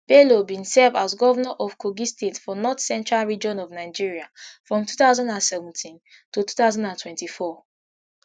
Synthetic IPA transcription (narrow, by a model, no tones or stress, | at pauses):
b̥elobĩnsɛvazɡɔvɔnaʔɔv̥kʰoɡistetfɔnɔtsɛ̃ntɹalɹid͡ʒɔ̃nɔvnaɪd͡ʒiɹiafɹɔ̃mtuθaʊzɔ̃ndãnsɛvɛ̃ntʰĩntutu̥taʊzɔ̃ndãntʰwɛ̃ntifɔ